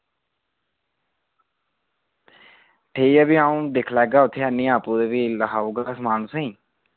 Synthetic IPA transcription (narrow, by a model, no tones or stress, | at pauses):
ʈʰeːiɛːbiːaːũːd̪ɪkʰlɛːɡaːʊt̪ʰːeːənĩːaːpũːd̪eːbiːləɦaːuːɡasmaːnʊsẽĩː